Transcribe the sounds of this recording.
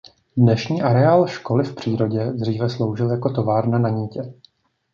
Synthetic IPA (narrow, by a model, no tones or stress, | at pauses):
dnɛʃɲiːʔaɾɛaːlʃko̞lɪfpr̝̥iːɾo̞ɟɛd̪r̝iːvɛslo̞wʒɪljako̞t̪o̞vaːɾnanaɲiːcɛ